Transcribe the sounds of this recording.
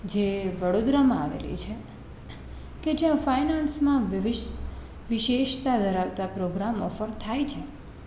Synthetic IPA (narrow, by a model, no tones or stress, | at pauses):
d͡ʒeʋəɽod̪ɾamãaʋḛlḭt͡ʃʰe | ked͡ʒeãfajnansmãʋiʋɪʃ | ʋɪʃeʃt̪ad̪ʱəɾaʋt̪apɾoɡɾamɔfəɾt̪ʰajt͡ʃʰe